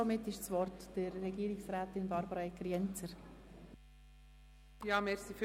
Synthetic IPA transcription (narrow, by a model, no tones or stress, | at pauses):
ɔmɪtːɪʃt͡sʋɔrtd̥əɾːɛɡiːɾɪksɾæːtɪnbɑɾbəɾɑɛkɾjɛnt͡səɾ | jɑːmɛɾsif